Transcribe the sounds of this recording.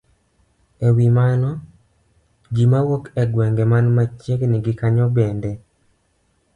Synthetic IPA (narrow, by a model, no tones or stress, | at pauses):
ewimanɔ | d͡ʒimawokɛɡwɛŋɡemanmat͡ʃekniɡikaɲɔbɛndɛ